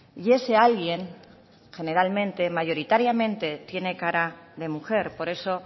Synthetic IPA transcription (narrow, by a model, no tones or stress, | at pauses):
je̞se̞alɣje̞ŋ | xe̞ne̞ɾalmẽ̞nt̪e̞maʝo̞ɾit̪aɾjamẽ̞nt̪e̞t̪je̞ne̞kaɾaðe̞muxe̞ɾpo̞ɾe̞so̞